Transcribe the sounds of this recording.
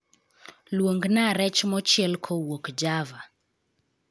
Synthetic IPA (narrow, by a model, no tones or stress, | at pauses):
lwoŋɡnaɾɛt͡ʃmɔt͡ʃɪɛlkʰowokd͡ʒava